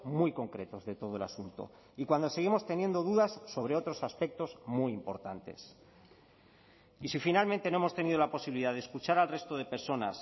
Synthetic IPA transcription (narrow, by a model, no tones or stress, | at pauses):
mujko̞ŋkɾe̞t̪o̞zðe̞t̪o̞ð̞oe̞lasunt̪o̞̰ | ikwand̪o̞se̞ɣ̞imo̞st̪e̞nje̞nd̪o̞ðuðasːo̞β̞ɾe̞o̞t̪ɾo̞saspe̞k̚t̪o̞zmujimpo̞̰ɾt̪ant̪e̞̰s | isifinalmẽnt̪enoemo̞st̪e̞nið̞olapo̞siβiliðaðeskut͡ʃaɾalre̞st̪o̞ð̞e̞pe̞ɾso̞na̰s